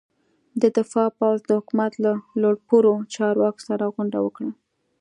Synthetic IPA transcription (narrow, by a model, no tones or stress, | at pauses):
d̪əd̪ɪfɑpawzd̪əhʊkumat̪laloɽpuɾot͡ʃɑɾwɑko̥saɾaɣʊɳɖawəkɽa